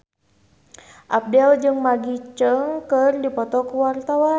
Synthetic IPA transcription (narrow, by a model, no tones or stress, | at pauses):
ʔap̚dɛld͡ʒɨŋmaɡit͡ʃəŋkərdipɔt̪ɔkuwart̪awa